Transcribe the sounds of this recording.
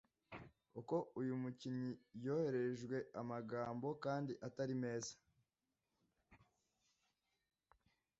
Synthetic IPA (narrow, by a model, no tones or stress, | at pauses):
uko̞ujumuciɲijo̞ːhe̞ɾe̞ʒɡwe̞amaɡaːmbo̞kaːndiʔataɾime̞ːzḁ